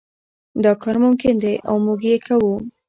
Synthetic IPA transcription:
d̪ɑkɑɾmʊmkɪnd̪ejʔawmuɡjekawu

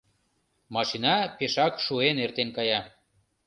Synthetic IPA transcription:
mɑʃinɑpeʃɑkʃuenert̪enkɑjɑ

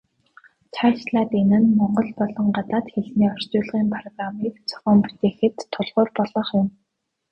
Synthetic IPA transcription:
t͡ɕʰat͡ɕɮaːt̪enɘ̆nmɔɴɢɞ̆ɮpɔɮɞ̆ŋɢat̪aːt̪xeɮniːɔr̥t͡ɕʊːɮʁiːmpʰrɔɣramiːkt͡sʰɔ̥χɔːmpu̥t̪eːxɘ̆t̪ʰːʊɮʁʊːrpɔɮɞ̆χjʊm

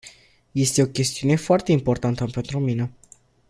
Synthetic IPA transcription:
je̞st̪e̞o̞kʲe̞st̪iune̞foart̪e̞impo̞rt̪ant̪əpe̞nt̪ɾumine

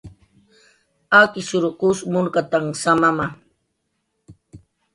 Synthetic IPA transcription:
akɪʃʊɾʊqʊsmʊnkat̪aŋsamama

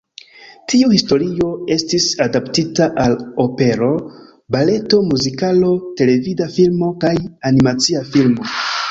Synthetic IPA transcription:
tʰiuhisto̞ɾio̞e̞stisadaptitaʔalo̞pe̞ɾo̞ | bale̞to̞muzikalo̞te̞le̞vidafilmo̞kajanimat͡siafilmo̞

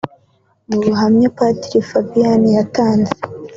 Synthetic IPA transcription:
muβuɦamɲapatiɾifabijanijataːnze̥

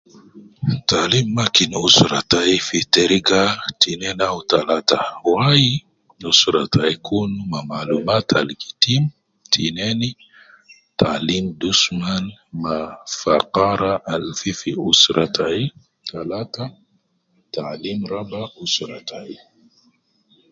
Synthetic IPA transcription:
talimːakinusɾataifiteɾiɡatinɛnawtalatawaji | usɾataikʰunumamalumatʰa̰lkitim | tʰinɛni | talimd̪usmanmafaqaɾaʔalfifiusɾʔatʰai | talata | talimɾabausɾatai

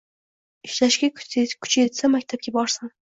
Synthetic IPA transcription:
ɪʃlaʃɡʲakʲʰʊ̥t͡ʃʰjet̪samakʲt̪ʰap̚ʲabɒɾsan

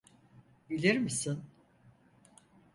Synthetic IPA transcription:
bilʲiɾmisin

